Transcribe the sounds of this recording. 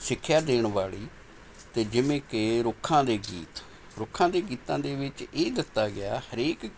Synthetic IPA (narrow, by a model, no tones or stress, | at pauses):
sɪkʰːjaːd̪eːɳʋaːɭiː | t̪eːd͡ʒɪʋẽːkeɾʊkʰːãːd̪eːɡiːt̪ | ɾʊkʰːãːd̪eːɡiːt̪ãːd̪eːʋɪt͡ʃeːd̪ɪt̪ːaːɡɪa̰ːhəɾeːk